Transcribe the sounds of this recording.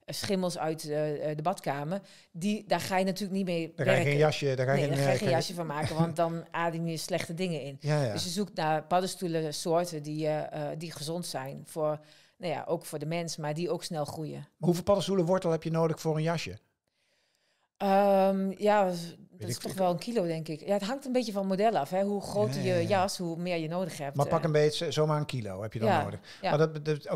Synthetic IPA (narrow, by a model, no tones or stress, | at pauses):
sχɪməlˠsœɥtdəbɔtkaːmər | didaxaːjənatyːlək̚nitmeːkʋɛreʃədɔkaaːxenjaʃjəfoːmaːkəʋɔnt̚dɔnaːdɪkiəslɛxtədɪŋəɪndøsjəsuk̚narpɑdəstuləsoːrtədidixəzontsɛjnfor | naja̰ʔoːkfʊːdəmɛnsmardioːksnɛlˠxrujə̰ɦuvɪlˠpɑdəstuləʋɔɹtlˠhɛpjənoːdəxfʊːrənjaʃjə | əmjadtsstɔxʋɛlˠənkʰilodɛŋkɪkjaətɦaŋktənbɪtjəfɔnmodɛlˠɔfɦɛɦuxroːtəjəjashumɪərjənoːdəxhɛp̚mapakənbeːtszoːmarənkʰilo̰ːhɛpjədɔo̰ːdə | mad